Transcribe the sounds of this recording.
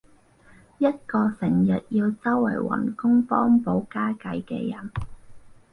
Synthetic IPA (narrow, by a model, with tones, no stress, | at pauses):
jɐ˥t̚kɔː˧sɪ˨˩ŋjɐ˨t̚jiː˧wt͡sɐ˥wːɐ̰˨˩jwɐ̰˨˩nkʊ˥ŋfɔː˥ŋpo˨˥wkaː˥kɐ˨˧jkɛ̰ː˧jɐ˨˩n